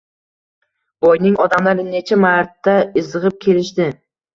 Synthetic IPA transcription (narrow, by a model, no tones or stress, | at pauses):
bojnɪŋɒd̪amlaɾɪne̞t͡ʃʰamaɾt̪ʰːaɪzɨʁɨp̚kʲʰe̞lɪʃt̪ɪ